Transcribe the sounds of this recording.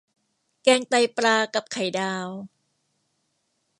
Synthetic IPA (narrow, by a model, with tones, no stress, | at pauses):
kɛː˧ŋt̪a˧jpɾaː˧ka˨˩p̚kʰa˨˩˦jdaː˧w